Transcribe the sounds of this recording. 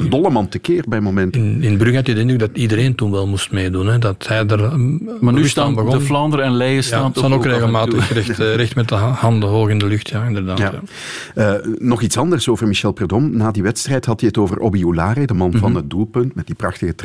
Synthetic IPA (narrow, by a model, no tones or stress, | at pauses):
əndɔləmɑntəkɪːrbɛjəmomɛntnɪnbɾyɣatidɪntɪɡ̚dɑtidəɾeːntunʋɛlˠmustmeːdunɦɛdɑthɛjdər | maːnystaːnbəɣɔdəflɑndəɾɛnlɛjəsaːnɑnokreːɣəlˠmaːəɛxtrɛxtmɛtəhɑndəɦoːɣɪndəlʏxtʰjaɪndərdaːjaː | ənɔxitsɑndərsoːvərmiʃɛlˠpɛrdɔmnaːdiʋɛtstrɛjthɑtiətoːvərʔobiulaːɾedəmɑnvɑnɦət̚dulˠpɵntmɛt̚d̥iprɑxtəɣət